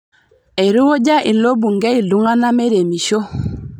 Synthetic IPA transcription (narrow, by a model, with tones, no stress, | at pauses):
e˨ɾu˦o˦d͡ʒa˦ʔi˨lo˦bu˨ŋɡɛ˦i˨lu˦ŋa˦na˦me˦ɾe˨mi˨ʃo˦